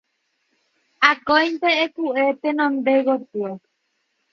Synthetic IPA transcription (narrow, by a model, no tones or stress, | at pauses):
akojnt̪eːp̪uʔet̪enõnd̪eɣot̪uo